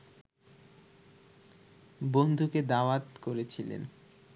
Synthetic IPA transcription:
bond̪ʱuked̪aoat̪koɾet͡ɕʰilḛn

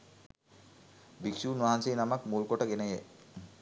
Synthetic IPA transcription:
biksuːnʋaːanseːnamakmulkoʈəɡenəje

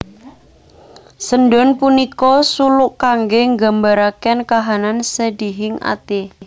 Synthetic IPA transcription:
sənɖɔnpunikɔsulʊʔkaŋɡeŋɡa̤mbaɾakɛnkaɦanansədiɦɪŋa̰t̪e

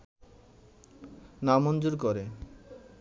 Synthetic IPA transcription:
namond͡ʑoɾkoɾe

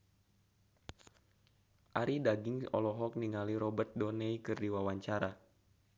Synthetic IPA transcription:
ʔaɾidaɡiŋɔ̰lɔɦɔk̚niŋaliɾɔbərt̪̚dɔnɛikɨrdiwawaɲt͡ʃaɾa

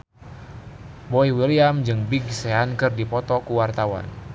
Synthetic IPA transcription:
bɔiwiliamd͡ʒɨŋbiɡseankɨrdipɔt̪ɔkuwart̪awa̰n

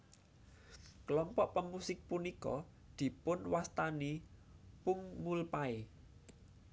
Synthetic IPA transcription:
klɔmpɔʔpəmusɪk̚punikɔ | d̪̥i̤pʊnwast̪anipʊŋmulpae

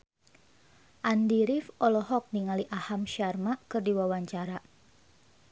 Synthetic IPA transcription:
ʔandiɾɪfɔlɔɦɔk̚niŋaliʔahamʃarmaʔkɨrdiwawaɲt͡ʃaɾa

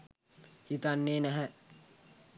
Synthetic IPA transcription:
hit̪anːeːnæɦæ

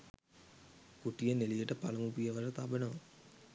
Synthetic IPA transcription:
kuʈːijɐnelijeʈːɐpɐlɐmupijɐʋɐʂɐt̪abɐnɐʋ

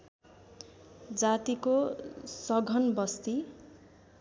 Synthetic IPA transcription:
d͡zat̪ikosʌɡʱʌnbʌst̪i

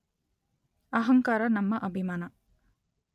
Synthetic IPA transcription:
ɐɦɐŋkaːɾanɐmːɐʔɐbimaːnɐ

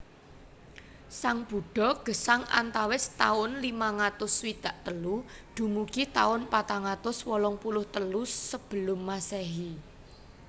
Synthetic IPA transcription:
saŋb̥ṳɖ̥ɔ̤ɡ̥ə̤saŋʔa̰nt̪awɪst̪aʊnlimaŋat̪ʊswid̪̥a̤ʔt̪əlud̪̥ṳmukit̪aʊnpat̪aŋat̪ʊswɔlɔŋpulʊht̪əlusəb̥ə̤lʊmːasɛɦi

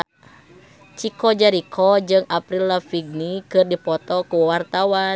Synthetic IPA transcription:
t͡ʃikɔd͡ʒaɾikʰɔd͡ʒɨŋapɾilːafiɡ̚nikɨrdipɔt̪ɔkuwart̪awa

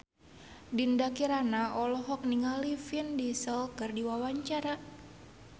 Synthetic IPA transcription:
dindakiɾanaʔɔlɔɦɔk̚niŋalifindisəlkɨrdiwawaɲt͡ʃaɾa

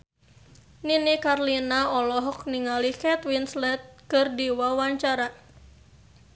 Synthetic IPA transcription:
ninikarlinaɔlɔɦɔk̚niŋalikɛt̪winslɛt̪̚kərdiwawaɲt͡ʃaɾa

